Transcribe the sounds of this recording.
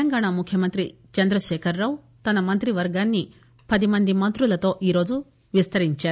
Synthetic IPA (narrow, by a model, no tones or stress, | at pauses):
ɐŋɡaːɳamukʰjɐmɐnt̪ɾi | t͡ʃɐnd̪ɾɐʃɛːkʰɐɾːaːw | t̪ɐnɐmɐnt̪ɾiʋɐɾɡaːnːi | pɐd̪imɐnd̪imɐnt̪ɾulɐt̪o̞ːʔiːɾo̞ːd͡ʒu | ʋist̪ɐɾiɲt͡ʃaːɾu